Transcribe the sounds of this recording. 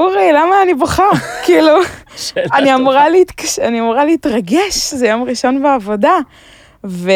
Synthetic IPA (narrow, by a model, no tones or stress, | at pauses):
uʁilamaːnibaχakiːlu | aniamuʁaliit̪kaʃaniamuʁaleitʁaɡeʃzejomʁiʃo̞nbeavo̞da | ve